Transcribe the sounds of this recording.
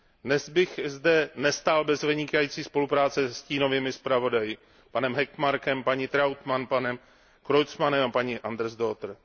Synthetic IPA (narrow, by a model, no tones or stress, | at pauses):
dnɛzbɪxzdɛnɛst̪aːlbɛzvɪɲɪkajiːt͡siːspo̞lupɾaːt͡sɛsciːno̞viːmɪspɾavo̞dajɪ | panɛmɦɛkmaɾkɛmpaɲit̪ɾawt̪manpanɛm | kɾojt͡smanɛmapaɲiʔand̪ɾzdot̪ɾ̩